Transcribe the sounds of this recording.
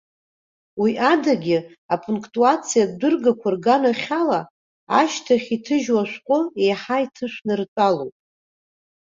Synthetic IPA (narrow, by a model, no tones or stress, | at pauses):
wiʔadaɡʲɪ | apʰʼuŋkʰʼtʼuat͡sʰijad̚dɨrɡakʷʰarɡanaχʲala | aʃtʰaχʲitʰɨʒwaʃʷᶣqʷʼʊejħaitʰɨʃʷnɨrt͡sʷʼalo̰wpʼ